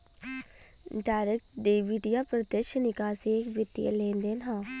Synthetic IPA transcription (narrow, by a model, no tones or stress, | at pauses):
ɖaːɾək̚ʈɖ̪eːʋiːɖijaːpɾət̪əʃnɪkaːsekʋɪt̪ːijə̰lẽːnd̪eːnɦãː